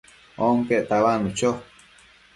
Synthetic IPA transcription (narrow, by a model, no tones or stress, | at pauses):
oŋkeʔt̪aβanut͡ʃo